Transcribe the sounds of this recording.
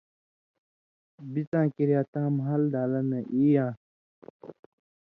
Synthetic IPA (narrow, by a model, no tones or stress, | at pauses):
bit͡sãːkiɾjaːt̪ãːmɦɐld̪aːlɐnɐʔiːjãː